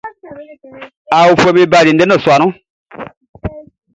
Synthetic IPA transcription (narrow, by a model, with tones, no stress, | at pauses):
a˨wu˦˨fo˧mi˦ba˦˨ɾi˨nde˦nə˦˨swa˨nũ˦